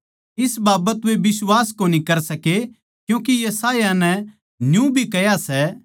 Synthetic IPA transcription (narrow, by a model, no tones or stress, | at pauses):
ɪsbaːbət̪ʋebɪswaːskoːnikɐɾsɐke | kjũːkijɐsaːjanɛ | njũbʱikɐjasɛ